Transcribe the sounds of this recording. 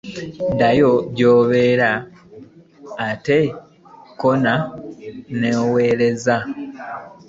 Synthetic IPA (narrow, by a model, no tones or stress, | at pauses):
dajoɟoːβe̞ːɾa | te | kona | ne̞ːwe̞ːɾe̞za